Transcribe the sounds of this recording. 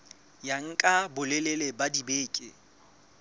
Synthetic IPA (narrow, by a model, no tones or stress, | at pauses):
jaŋ̩kʼabʊlelelebadibeːkʼɪ